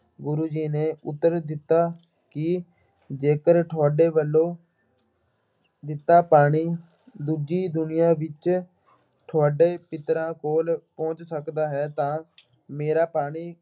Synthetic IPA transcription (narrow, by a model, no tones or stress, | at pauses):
ɡʊɾuːd͡ʒiːneːʊt̪ːəɾd̪ɪt̪ːaː | kɪ | d͡ʒeːkəɾʈʰaːɖeːʋəlːõː | d̪ɪt̪ːaːpaːɽ̃iː | d̪uːd͡ʒiːd̪ʊnɪjãːʋɪt͡ʃ | ʈʰːaːɖeːpɪt̪ːɾãːkoːlpɔ̃ːt͡ʃsəkd̪aːɦɛːt̪ãː | meːɾaːpaːɽ̃iː